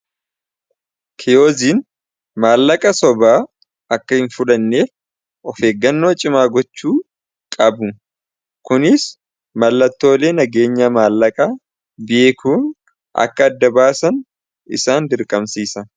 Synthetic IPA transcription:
kʰɛjo̞ːziːn | maːlːɐkʼɐsɔbaː | ʔɐkːɐhɪnfʊlɐnːeː | ʔɔfe̞ːɡːɐnːo̞ːt͡ʃʼɪmaːɡɔt͡ʃːuː | kʼɐbʊ | kʊnɪs | mɐlːɐt̪ːo̞ːle̞ːnɐɡe̞ːɲːɐmaːlːɐkʼaː | bɪʔekʰuːn | ʔɐ̰kːɐːd̪ːɐbaːsɐn | ɪ̰saːnd̪ɪɾkʼɐmsiːsɐ

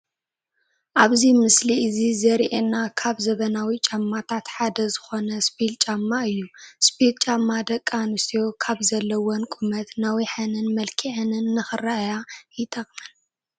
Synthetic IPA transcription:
ʔaβzimɨsliɨzizɐɾiʔenakʰaβzɐβɐnawit͡ʃʼamːat̪ʰat̪ħad̪ɐzɨxo̞nɐspilt͡ʃʼamːaɨjːuspilt͡ʃʼamːad̪ɐkʼːanust̪ʰijo̞kʰaβzɐlːɐwonkʼumɐt̪nawiħɐnɨnmɐlkʰiʕɨnɨnːɨxɨrajajɪt̪ʰɐkʼmɐn

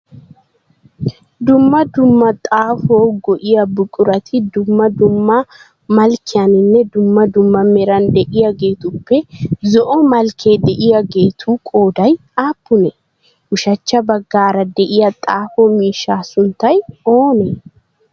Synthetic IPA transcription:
d̪ʊmːɐd̪ʊmːɐt̪ʼaːfoːɡɔʔɪjɐbʊkʼʊɾɐt̪ʰɪd̪ʊmːɐd̪ʊmːɐ | mɐlkɪjɐnɪnːɛd̪ʊmːɐd̪ʊmːɐmɛɾɐnd̪ɛʔɪjɐɡe̞ːt̪ʊpːɛzɔʔɔmɐlkʰe̞ːd̪ɛʔɪjɐɡe̞ːt̪ʰuːkʼo̞ːd̪ɐj | aːpːʊnɛ | ʊʃɐt͡ʃːɐbɐɡːaːɾɐd̪ɛʔɪjɐt̪ʼaːfoːmiːʃːaːsʊnt̪ːɐjoːnɛ

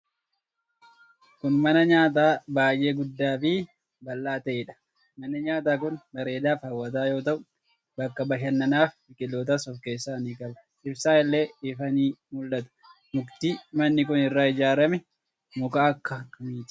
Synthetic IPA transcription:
kʊnmɐnɐɲaːt̪̬aːbaːjʔe̞ːɡʊd̪ːaːfi | bɐlːaːt̪ɐʔɪᶑɐ̥ | mɐnɐɲaːt̪̬aːk̬ʊnmɐɾe̞ːd̪aːfhɐwːɐt̪̬aːjo̞ːt̪ɐʔʊ | bɐkːɐbɐʃɐnːɐnaːf | ɪkʼɪlːoːt̪̬ɐsɔfke̞ːsːaːniːkʼɐbɐ | ɪbsaːɪlːe̞ːɪfɐniːmʊlːɐt̪ɐ̥ | mʊkt̪iːmɐnːɪkʊnɪrːaːɪd͡ʒaːɾɐmɛ | mʊkaːɐkːɐkɐmiːt̪ɪ̥

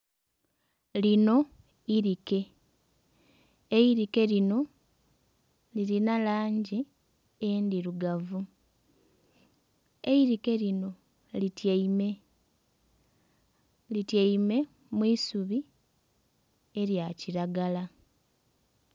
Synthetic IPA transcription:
lino̞ | iɾike̞ | eiɾike̞lino̞ | liɾinalaːɲɟi | endiɾuɡavu | eiɾike̞lino̞ | litjeime̞ | litjeime̞ | mwiːsuβi | e̞ɾjaciɾaɡala

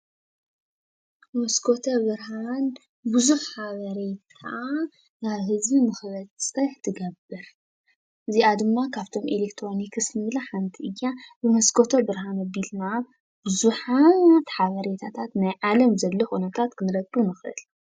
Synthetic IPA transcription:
mɐskʰot̪ʰɐβɨɾhan | bɨzuħħaβɐɾet̪ʰa | naβɦɨzbimɨxβɐt͡sʼsʼɨħt̪ʰɨɡɐbːɨɾ | ʔɨziʔad̪ɨmːakʰaβt̪ʰo̞mʔelekt̪ʰɾo̞nikʰɨsnɨβlɐħant̪ʰiʔɨjːabɨmɐskʰot̪ʰɐbɨɾɦanɐbilna | b̥ɨzuħat̪ħaβɐɾe̞t̪ʰat̪ʰat̪najʕalɐmzɐlːɐxʼunɐt̪ʰat̪kʰɨnɾɐkʼːumɨxʔɨ̰l

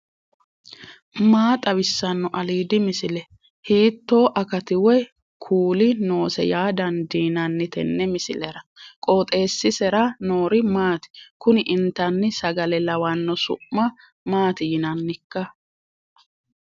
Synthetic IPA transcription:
maːt̪ʼɐbɪsːɐnːɔʔɐliːd̪ɪmɪsɪlɛ | hiːt̪ːo̞ːʔɐkɐt̪ɪwɛ | kʰuːlɪno̞ːsɛ̰jaːd̪ɐnd̪iːnɐnːɪt̪ɛ̰nːɛmɪsɪlɛɾɐkʼoːt̪ʼe̞ːsːɪsɛɾɐno̞ːɾɪmaːt̪ɪ̥kʊnɪʔɪnt̪ːɐnːɪsɐɡɐlɛlɐwɐnːɔsʊ̰ʔmɐ | maːt̪ɪjɪnɐnːɪkːɐ

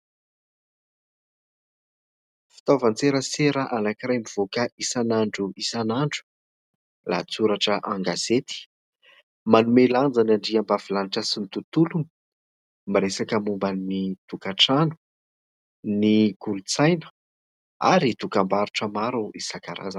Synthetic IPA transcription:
fi̥t̪ovant͡seɾəseɾəʔanakirajmiv̥okəʔisanaɳɖ͡ʐuisanaɳɖ͡ʐu̥ | la̰t͡suɾaʈ͡ʂəʔaŋɡazet̪i̥ | manumeland͡zanaɳɖ͡ʐiambavilaniʈ͡ʂəsimit̪ut̪ulum | maɾesakəmumbaniit̪ukaʈ͡ʂanu̥ | niɡulut͡sajnə̥ | a̰ɾit̪ukambaɾuʈ͡ʂəmaɾuʔisakaɾa̰za

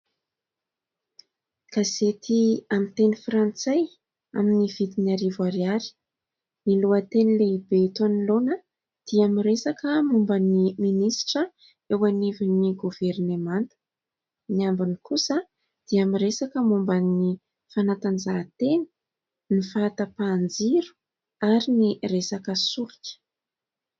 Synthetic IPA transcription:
ɡ̥azet̪ʰiamit̪enifrant͡saj | a̰miniv̥it̪inaɾivwaɾjaɾi̥ | niluət̪enileibet̪uanilonə | d̪̥iamiɾesakəmumbəniminisʈ͡ʂə | ewaniviniɡuvernemant̪ə̥ | niambinikusə | d̪̥iamiɾesakəmumbani | fanat̪anzaːt̪eni̥ | nifaat̪əpand͡ziɾu̥ | aɾiniresakəsulikʲə̥

